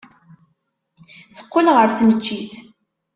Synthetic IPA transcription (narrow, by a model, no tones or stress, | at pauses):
θə̥qːʊlʁəɾθnət͡ʃːiθ